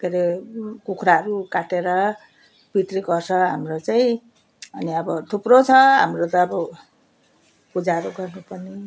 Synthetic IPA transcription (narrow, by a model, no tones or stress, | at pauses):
keɾekukʰɾaʌɾukaʈeɾʌ | bit̪riɡʌrsʰʌɦa̰mrot͡saĩ | ʌniʌbʌt̪ʰuprot͡sʰʌɦa̰mrot̪ʌːbʌ | pud͡zaɾoɡʌrnupʌrni